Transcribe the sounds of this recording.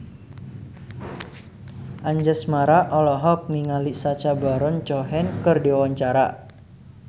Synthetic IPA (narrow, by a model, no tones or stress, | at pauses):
ʔaɲd͡ʒəsmaɾaʔɔlɔɦɔp̚niŋalisat͡ʃabaɾɔnt͡ʃɔɦɛnkərdiawaɲt͡ʃaɾa̰